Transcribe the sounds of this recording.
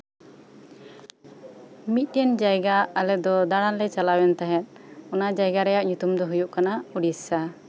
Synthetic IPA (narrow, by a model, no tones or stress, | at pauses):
mit̪̚ˀjɛnd͡ʒajɡaːlɛd̪ɔd̪aɽanlɛt͡ʃalawɛnt̪aɦɛt̪̚ˀɔnad͡ʒajɡaɾɛjaʔɲut̪umd̪ɔɦujuʔkanauɽissa